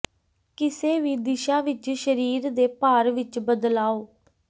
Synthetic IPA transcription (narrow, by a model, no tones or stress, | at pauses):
kɪseːʋiːd̪ɪʃaːʋɪt͡ʃʃəɾiːɾd̪eːpaːɾʋɪt͡ʃbəd̪laːoː